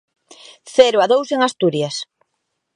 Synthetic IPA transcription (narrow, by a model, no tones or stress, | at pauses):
θɛɾʊaðowseŋast̪uɾjas